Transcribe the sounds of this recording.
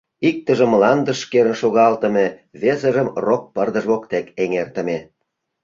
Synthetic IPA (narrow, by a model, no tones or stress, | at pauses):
ik̚t̪ə̆ʒə̆mlɑnd̪ə̆ʃkeɾə̆nʃoɣɑlt̪ə̆meβezəʒə̆mrok̚pərd̪ə̆ʒβokt̪ekeŋert̪ə̆me